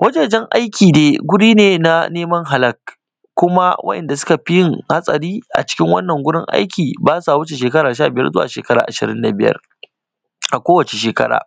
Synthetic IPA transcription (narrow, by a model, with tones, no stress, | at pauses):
wʔɐ˦d͡ʒeː˨d͡ʒɛ˦ŋʔa̰˦jkʲiː˨neː˨ɡʷʊ˦ɽiː˦neː˨na˦neː˦mɐ˦ŋɦa˨lɐ˨k̚ | kʷːʊ˦ma˦wɐ̰˦ʔɛ̰˨nda˨sʊ̥˦ka˨ɸɪ˦jɪ˦ŋha˦sʼɐ˨ɾiː˦ʔa̰˨t͡ʃɪ̥˦kʲɪ˦ŋwɐ˦nːɐ˨ŋɡʷʊ˦ɽɪ̰˦ŋʔa̰˦jkʲiː˨baː˦sa˨wʊ˦t͡ʃe˨ʃ̬eː˨kɐ˦ɾaː˨ʃ̬aː˦˨bɪ˨jɐ̰˦rzʊ˦wa̰˨ʃeː˨kɐ˦ɾaː˨ʔa˨ʃɪ̰˨ɾɪ˦nda˨bɪ˦jɐ̰˦r | ʔa˨kʷoː˦wɐ˨t͡ʃe˨ʃ̬eː˨kɐ̰˦ɽa̰ː˨